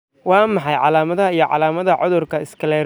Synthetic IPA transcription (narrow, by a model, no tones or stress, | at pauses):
wɑːmɑħɑjʕɑlaːmɐðɐɦɐijɞʕɑ̰laːmɐðɐʕɔðʊrkʰɐɪskʰɐlɛː